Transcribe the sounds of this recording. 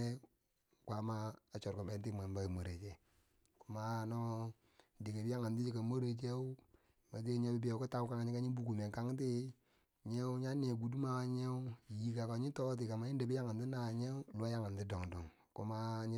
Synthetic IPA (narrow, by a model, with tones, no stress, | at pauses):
kʷa˨˦ma˦a˨t͡ʃo˨ɾko˨be˨nti˦˨ma˨mba˦˨mo˨ɾe˨t͡ʃe˦˨ | ku˨ma˨no˦ | di˨ke˨bi˦ja˦ŋa˨nti˦d͡ʒi˦˨ka˨mo˦ɾe˨t͡ʃe˦u˦ | ma˨ti˦ɲe˦bi˦bi˦je˨˦ku˦ta˦ku˦ka˦ŋ˦ɲi˦ka˦ɲi˦bu˨ku˨me˨ka˦ŋ˦t̬i˦ | ɲe˦u˦ɲa˦n˦e˨ɡu˨du˦ma˨wa˦ɲe˦u˦˨ji˨ka˨ka˨ɲi˦to˦t̬i˨ka˨ma˨i˦de˨bi˦ja˦ŋa˨nti˦na˨ɲe˦u˦lu˦a˦ja˦ŋa˨nti˦do˨ŋdɔ˨ŋ | ku˨ma˦ɲ˦